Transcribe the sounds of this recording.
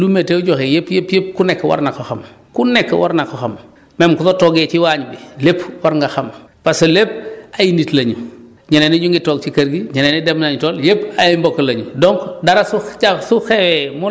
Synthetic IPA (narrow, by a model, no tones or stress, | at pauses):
lumeteuɟoxejepjepjep̚kunɛkːwa̰ɾnakoxam | kunekːwa̰ɾnakoxam | memkutotoːɡeːt͡ʃiwaːɲbilepwaɾŋɡaxam | paselep̚ajinitlɐɲu | ɲɐneniɲuŋɡitoːɡ̚t͡ʃikɐɾɡiɲɐnenidemnaɲutoːljepajimbokːlɐɲṵdɔŋkdaɾasuasuxewemu